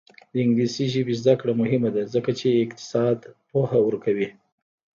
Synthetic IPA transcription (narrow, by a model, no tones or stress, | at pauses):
d̪əɪŋɡlisiʒəbezd̪akɽamʊɦɪmad̪azəkat͡ʃeːkt̪ɪ̥sɑd̪pohawəɾkawi